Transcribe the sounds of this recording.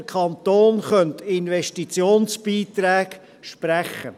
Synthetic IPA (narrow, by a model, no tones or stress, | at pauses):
kʰɑnt̪oːnχœnt̪ɪnvɛʃtit͡sjoːnsb̥iːt̪ɾɛːɡ | ʃpɾæχːə̰